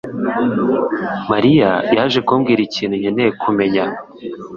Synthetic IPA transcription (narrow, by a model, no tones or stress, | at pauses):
maɾijajaʒekuːmɡiːɾiciːn̤̥huɲenejekʰume̞ɲa